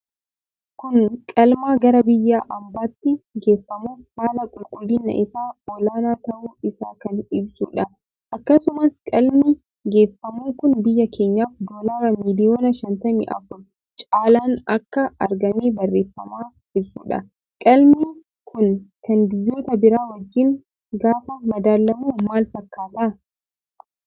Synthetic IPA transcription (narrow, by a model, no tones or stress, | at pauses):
kʊŋkʼɐlmaːɡɐɾɐbɪjːaːʔɐmbaːt̪ːɪɡe̞ːfːɐmuːfhaːlɐkʼʊlkʼʊlːɪnːɐ̰ʔɪsaːɔlaːnaːt̪ɐʔuːɪsaːkɐnɪbsṵːᶑɐ | ʔɐkːɐsʊmɐskʼɐlmɪ | ɡe̞ːfːɐmuːŋkʊnbɪjːɐkʰeːɲːaːfd̪oːlaɾɐmiːlɪjoːnɐʃɐnt̪ɐmɪ̰ʔɐ̰fʊl | t͡ʃʼaːlaːnɐkːɐɐɾɡɐmeːbɐrːe̞ːfːɐmaː | ʔɪbsṵᶑɐ̰ | kʼɐlmi | kʰʊnkɐnd̪ɪjːo̞ːt̪ɐbɪɾaːwɐd͡ʒːɪŋ | ɡaːfɐmɐd̪aːlːɐmuːmaːlfɐkːaːt̪aː